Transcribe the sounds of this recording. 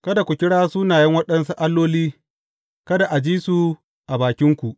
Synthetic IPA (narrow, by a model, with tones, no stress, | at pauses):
kɐ˦da˨kʷu˨kʲɪ˦ɽaː˦su˦naː˨jɐ˦ŋwɐ˦ɗɐ˦nsu˦ʔa˦lːoː˦liː˦ | kɐ˦da˨ʔa˨d͡ʒiː˦su˨ | ʔa˨baː˨kʲɪ˦ŋkʷu˨ʔ